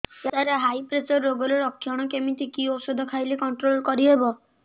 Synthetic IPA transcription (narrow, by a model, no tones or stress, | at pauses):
t̪aɾeɦajpɾet͡ʃɔɾːoɡɔɾeɾɔkʰːjɔɽ̃ɔkemit̪ʰikiɔwsɔd̪ʱɔkʰajlekɔɳʈɾolkɔɾiɦebɔ